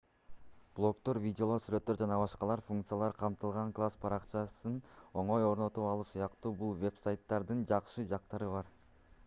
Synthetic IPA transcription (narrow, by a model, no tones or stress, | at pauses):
b̥lˠo̞kt̪o̞ɾvʲidʲɪo̞lˠoɾsyɾø̞t̪ːø̞ɾd͡ʒɑnɑβɑʃqɑlˠɑɾfuŋkt̪sɨjalˠɑɾqʰɑmt̪ɯlˠʁɑŋklˠaspʰɑɾɑqt͡ʃɑsɯno̞ɴo̞jo̞ɾno̞t̪upɑlˠusujɑqt̪uːbulˠvʲe̞psajt̪ːɑɾd̪ɯnd͡ʒɑqʃɯd͡ʒɑqt̪ɑɾɯβɑɾ